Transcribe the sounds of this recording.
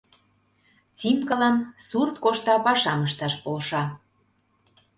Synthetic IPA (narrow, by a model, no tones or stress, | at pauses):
t͡simkəlɑnsurt̪̚koʃt̪ɑpɑʃɑməʃt̪ɑʃpolʃɑ